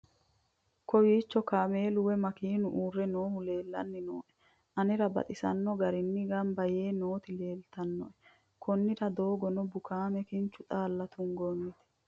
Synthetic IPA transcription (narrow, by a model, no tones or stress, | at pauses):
kɔwiːt͡ʃːɔkaːme̞ːlʊwɛmɐkiːnʊʔuːrːɛnoːhʊle̞ːlːɐ̰nːɪnoːʔɛ̥ | ʔɐnɪɾɐbɐ̰t̪ʼɪsɐ̰nːɔɡɐɾɪnːɪɡɐmbɐje̞ːno̞ːt̪ɪle̞ːlt̪ɐnːɔʔɛ | kʰɔnːɪɾɐd̪o̞ːɡɔnɔbʊkaːmɛkɪnt͡ʃːʊt̪ʼaːlːɐt̪ʊŋɡɔnːɪt̪ɪ̥